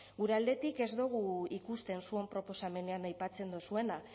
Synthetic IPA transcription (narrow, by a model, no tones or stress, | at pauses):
ɡuɾe̞ald̪e̞t̪ike̞zd̪uɣ̞uikust̪e̞nsue̞mpɾo̞po̞same̞ne̞anajpat͡se̞nd̪osue̞na